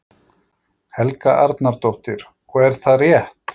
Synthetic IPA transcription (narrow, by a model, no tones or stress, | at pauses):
hɛlkaʔaɾt̪naɾt̪ɔft̪ɪɾ | ɔɣɛɾ̥θaðrjɛht̪